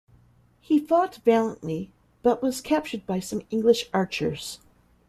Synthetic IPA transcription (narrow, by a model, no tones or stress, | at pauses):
hifɔtv̥ælˠə̃nʔli | b̥ʌʔ̚wʌz̥kʰæp̚t͡ʃə˞d̚baɪsʌ̃mɪ̃ŋɡlɨʃɑɹt͡ʃə̰˞z̥